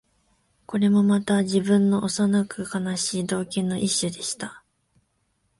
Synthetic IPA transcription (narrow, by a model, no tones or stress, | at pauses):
ko̞ɾe̞mo̞mat̪aʑibɯ̟̃nːo̞ʔosanakɯ̟kanaɕiːd̪o̞ːkẽnːo̞ʔiɕːɨd̪e̞ɕi̥t̪a